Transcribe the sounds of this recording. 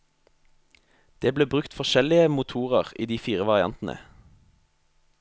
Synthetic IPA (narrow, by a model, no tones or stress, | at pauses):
d̪̥eːbleːbʁʉkt̪fɔʃɛlɪəmʊt̪ʰuːʁəʁḭːd̪iːfiːʁəʋɑʁɪɑ̰nt̪n̩ʔə̰